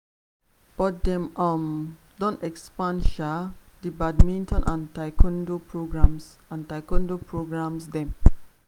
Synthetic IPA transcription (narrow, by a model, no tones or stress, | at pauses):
b̥ɔt̚dɛ̃mʔãm | dɔ̃nɛkspãnʃadibadmĩntɔ̃nʔãntajkʰɔ̃ndopʰɹoɡɹãms | ãntajkɔ̃ndopɹoɡɹãmsdɛ̃m